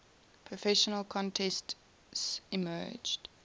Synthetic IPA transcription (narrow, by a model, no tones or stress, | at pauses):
pʰɹ̥ɔfɛʃənəlˠkʰɔ̃ntʰɛst | simɜ̰ːd͡ʒd̥